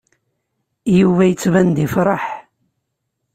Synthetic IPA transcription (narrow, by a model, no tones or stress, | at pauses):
juvæjət͡sːvænd̪ifɾˤɑħ